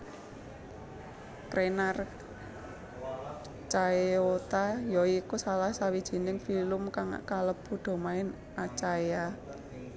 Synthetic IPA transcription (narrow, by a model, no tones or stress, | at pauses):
kɾenar | t͡ʃaeot̪ajɔiːkusalahsawid̥ʒ̥i̤nɪŋfilʊmkaŋa̰ʔkaləb̥ud̪̥o̤maɪn | at͡ʃaja